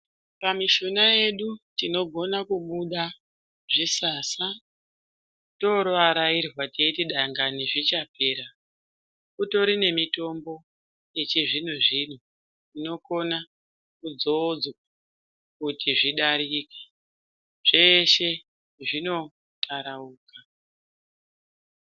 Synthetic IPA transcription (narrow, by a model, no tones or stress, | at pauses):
pamiʃonaje̞ɗutino̞ɡʱo̞nakuɓuɗa | ʐisaːsa | to̞ɾʋaɾairrwateitiɗaŋɡaneʐit͡ʃape̞ːɾa | kuto̞ɾine̞mito̞mbo̞ | je̞t͡ʃiʐin̤uʐin̤u | ino̞ko̞na | kud͡zoːd͡zwaa | kutiʐiɗaɾike | ʐ̥e̞ʃe̞ | ʐino̞ | tʰaɾauːka